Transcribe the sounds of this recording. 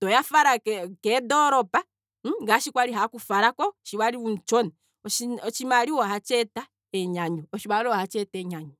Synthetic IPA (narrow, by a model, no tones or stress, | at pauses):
tɔjafaɾakkɛdɔɾɔpa | ɡaʃikwaɾiɦakufaɾakɔʃiwaɾiwun̩t͡ʃɔnɛ | ɔiɔt͡ʃimaɾiwɔhat͡ʃɛta | ɛɲaɲɔɔʃiwaɾɔhat͡ʃɛtɛɲaɲɔ